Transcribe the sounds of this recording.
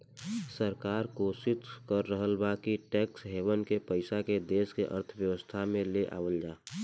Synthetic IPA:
səɾkaːɾkoːsɪt̪kəɾːəɦəlbakiʈɛːksɦeːwənkepəɪsaked̪eːskeʔə̰ɾt̪ʰbjəʋəst̪ʰamẽleʔa̰ːwəld͡ʒaː

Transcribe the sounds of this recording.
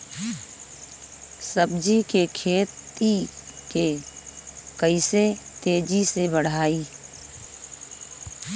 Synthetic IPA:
səbd͡ʒikekʰeːt̪ike | kəɪset̪eːd͡ʒisebəɽ̤aːiː

